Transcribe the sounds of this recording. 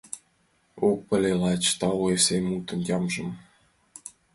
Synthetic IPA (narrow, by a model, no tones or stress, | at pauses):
ok̚pə̆lʲelɑt͡ɕt̪ɑuesemut̪ə̆njɑmʒə̆m